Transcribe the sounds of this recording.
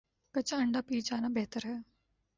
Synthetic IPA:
kɐt͡ʃaɐɳɖaːpiːt͡ʃaːnabɛɦt̪əɾɦɛː

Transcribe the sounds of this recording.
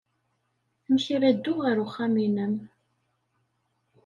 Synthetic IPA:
məçɾæd̪ːʊʁəɾuχːæminəm

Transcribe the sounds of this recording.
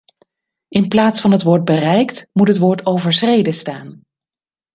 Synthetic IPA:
ɪnplaːtsfɑnɦətʋoːɹt̚bərɛjktmutɦətʋoːɹtowvəɹsrejdəstaːn

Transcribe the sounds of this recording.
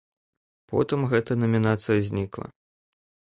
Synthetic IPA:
pɔ̰t̪ɨmɣɛt̪ɐnɐmʲinat̪sɨjɐzʲnʲiklˠɐ̰

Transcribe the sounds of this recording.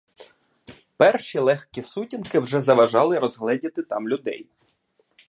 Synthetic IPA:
pɛrʃilˠɛxkisutʲinkɪwʒɛzɐʋɐʒɑlˠɪɾɔzɦlˠɛdʲɐt̪ɪt̪ɑmlʲʊd̪ɛ̰j

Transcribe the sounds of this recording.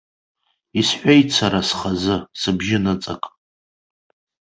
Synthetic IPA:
isħʷᶣajt͡sʰaɾasχazɨsɨbʒɪnɨt͡sʼa̰kʼ

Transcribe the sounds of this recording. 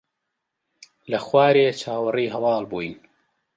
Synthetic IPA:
lɐxwaːɾeːt͡ʃʰaːwɨriːɦɐwɑːlbuːjn

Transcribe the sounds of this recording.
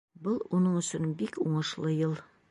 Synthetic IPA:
bolˠwʔonɤɴɵ̆sɵnbikuɴə̆ʃlˠɤjɤlˠ

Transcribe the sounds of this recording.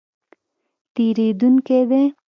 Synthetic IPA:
t̪eɾed̪uŋked̪e

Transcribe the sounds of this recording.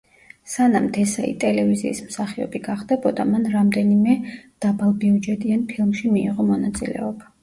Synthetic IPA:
sanamt̪ʰɛsaḭt̪ʼɛlɛvizḭːsmsaχiɔ̰biɡaχd̪ɛbɔd̪amanɾamd̪ɛnimɛd̪̥abalˠbiud͡ʒɛt̪ʼianpʰilˠmʃimiiʁɔmɔnat̪sʼḭlɛ̰ɔba

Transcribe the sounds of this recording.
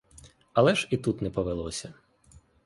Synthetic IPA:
ɐlˠɛʒit̪ut̪nɛpɔʋelˠɔsʲɐ

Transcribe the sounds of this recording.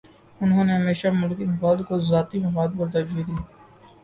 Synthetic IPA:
ʊnɦõːneɦɐmeːʃamʊlkibaːd̪kozaːt̪imɐkaːd̪̚bʊɾd̪ad͡ʒiːd̪iː

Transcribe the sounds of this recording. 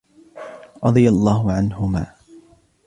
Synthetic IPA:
ɾˤɑd̪ˤɨjalˤːɑːɦʊʕanɦʊma̰ː

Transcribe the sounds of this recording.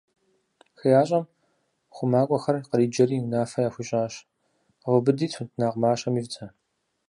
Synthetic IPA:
xɨjaːɕʼɐm | χʷʊmaːkʷʼɔxɐrqəɾiːd͡ʒɐɾiːnaːfɐjaːxʷiɕʼaːɕ | ʁʷʊbɨdiːtʰʷʊtʰnaːqmaːɕɐmiːvt͡sʰʼɐ

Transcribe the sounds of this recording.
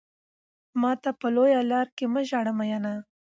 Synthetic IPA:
mɑt̪apəlojalɑɾkeməʒɑɽəmajana

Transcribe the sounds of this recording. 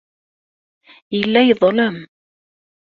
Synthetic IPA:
jəlːæjəðˤləm

